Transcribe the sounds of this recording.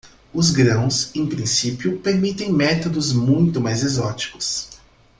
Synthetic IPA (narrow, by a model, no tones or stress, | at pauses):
ʊzɡɾɐ̃w̃sẽj̃pɾĩsipjʊpeɾmit̪ẽj̃mɛt̪od̪ʊzmũj̃t̪ʊmajzezɔt͡ʃi̥kʊ̥s